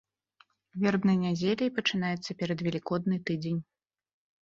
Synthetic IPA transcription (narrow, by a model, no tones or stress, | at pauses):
vʲɛrbnɨjnʲad͡zʲelʲɐjpɐt͡ʂɨnajɛt̪sːɐpʲɛɾɐd̪vʲɛlʲikɔd̪̚nɨt̪ɨd͡zʲenʲ